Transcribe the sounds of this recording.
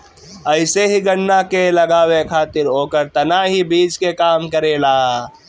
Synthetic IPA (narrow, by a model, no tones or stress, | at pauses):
əɪseɦiɡənːakeləɡaːwekʰaːt̪ɪɾɦoːkəɾt̪ɐnaɦibiːd͡ʒkekaːmkəɾeːlaː